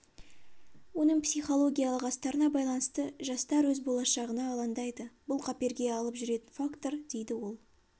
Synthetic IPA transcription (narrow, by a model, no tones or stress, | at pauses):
wo̞nəɴpsʲiχo̞lˠo̞ɡʲijalˠəqɑst̪ɑɾənɑbɑjlˠɑnəst̪əʒɑst̪ɑɾwɵzbo̞lˠɑʃɑʁənɑːlˠɑnd̪ɑjd̪əbʊlˠqʰɑpe̞ɾɡʲe̞ɑlˠəpʒʏɾe̞t̪ɪnfakt̪o̞ɾd̪̥e̞jd̪ɪwo̞lˠ